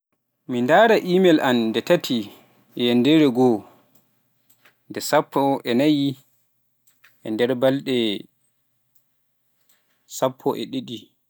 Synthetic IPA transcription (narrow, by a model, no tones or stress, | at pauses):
mindaːɾaʔimɛlʔandɛtatʰi | jɛndɛɾɛɡɔ | ndɛsapːɔʔɛnaji | ʔɛ̰ndɛɾbalɗɛ | sapʰːɔʔɛ̰ɗiɗi